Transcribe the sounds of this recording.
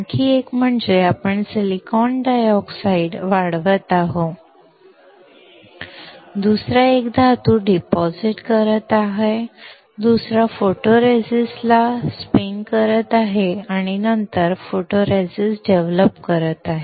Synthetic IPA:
kʰiːekm̤əɳd͡zeapəɳsilikɔnɖajɔksaiɖʋaɽʋət̪aɦo | d̪usɾaekd̪ʱat̪uːɖipɔziʈkəɾət̪aɦe | d̪usɾafoʈoɾesislaspiŋkəɾət̪aɦeaɽ̃inənt̪əɾfoʈoɾesisɖeʋləpkəɾət̪aɦe

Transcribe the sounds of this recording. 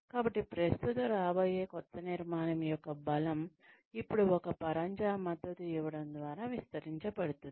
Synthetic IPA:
kaːbɐʈːipɾɐst̪ʰut̪uɾaːboːjeːkɔt̪ʰːɐniɾmaːnɐmjɔkːɐbɐlɐm | ipːuɽuɔkɐpɐɾɐɲd͡ʒaːmɐd̪ːɐt̪uiʋɐɽɐnd̪ʋaːɾaːʋist̪ɐɾiɲt͡ʃɐpɐɽut̪und̪i

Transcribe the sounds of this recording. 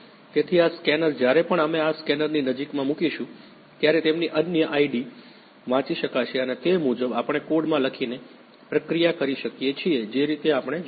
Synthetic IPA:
t̪et̪ʰiaskɛnəɾd͡ʒjaɾepəɳameaskɛnəɾninəd͡ʒikmãmũkiʃũ | t̪jaɾet̪emniʔənjəʔaiɖi | ʋãt͡ʃiʃəkat͡ʃʰeənet̪emud͡ʒəbapəɳ̃ekoɽmãləkʰine | pɾəkɾijakəɾiʃəkjet͡ʃʰied͡ʒeɾit̪eapəɳ̃e

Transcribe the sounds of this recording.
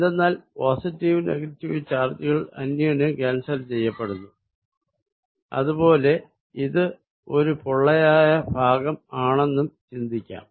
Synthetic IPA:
d̪enːaːlpoːsitːiʋnḛɡɐtːiʋit͡ɕːaːrt͡ɕiɣɐɭɐ̰nːjɐnɨkaːnsɐlt͡ɕe̞jːɐpːeɽunːu | ɐ̰ðubo̞ːle̞ | iðɨ | o̞ɾupoɭːɐjaːjɐbʱaːɡɐmaːɳe̞nːumt͡ɕind̪ikʲːa̰ːm

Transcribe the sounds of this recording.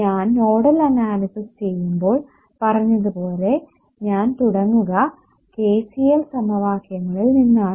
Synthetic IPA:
ɲaːnno̞ːɽɐlɐnaːlɐsɐst͡ɕe̞jːumbo̞ːɭ | pɐrɐɲːɐðɨpo̞ːle̞ | ɲaːnt̪uɽɐŋːuɣɐ | keːsijɐlsɐmɐʋaːkjɐŋːɐɭilninːaːɳɨ

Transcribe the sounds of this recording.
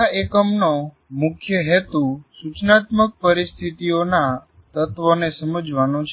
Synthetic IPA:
aekəmno | mʊkʰjəɦɛt̪ũsut͡ʃnat̪mək̚pəɾist̪ʰit̪iona | t̪ət̪ʋonesəməd͡ʒʋanõt͡ʃʰ

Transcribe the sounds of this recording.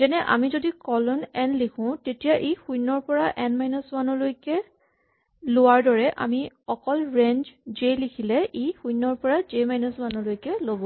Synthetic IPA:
zɛnɛʔa̰mizodikɔlɔnɛnlikʰʊ̃tetijaʔexujnːɔɹpɔɹaʔɛnmajnɔswanɔlojkɛ | lʊwaɹdɔɹɛʔa̰mi | ɔkɔlɹend͡ʒzelikʰilɛʔejxujnːɔɹpɔɹazemajnɔswanɔlojkɛlobɔ

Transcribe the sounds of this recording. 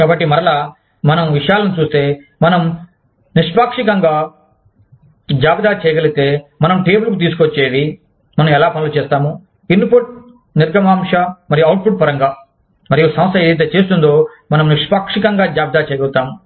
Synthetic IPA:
kaːbɐʈ̬ːimɐɾɐlaː | mɐnɐmʋiʂɐjaːlɐnit͡ʃuːst̪e̞ː | mɐnɐm | niʂpaːkʂikɐŋɡaː | d͡ʒaːbid̪aːt͡ʃɛjɐɡɐlut̪e̞ːmɐnɐmʈe̞ːbulkut̪̬iːs̬u̥kot͡ʃːeːd̪i | mɐnɐmɛlaːpɐnilut͡ʃeːst̪aːmu | inpuʈ̚ | niɾɡɐmaːmʂɐmɐɾijɐwʈ̚pʰuʈpɐɾɐŋɡaː | mɐɾijoːsɐmɐst̪ɐeːd̪ɐjt̪̬eːt͡ʃe̞ːs̬t̪und̪o̞ː | mɐnɐmniʂpaːkʂikɐŋɡaːd͡ʒaːbid̪aːt͡ʃɛːjɐɡɐlut̪aːmu

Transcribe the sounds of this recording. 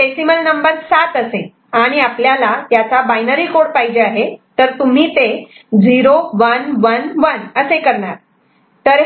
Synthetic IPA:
esiməlnəmbəɾsat̪əse | aɽ̃iapljalat̪jat͡sabajnəɾiːkoɽpaid͡ʑeaɦet̪əɾt̪um̤iːt̪ed͡ziɾoʋənʋənʋənəsekəɾɳaɾ | t̪əɾ

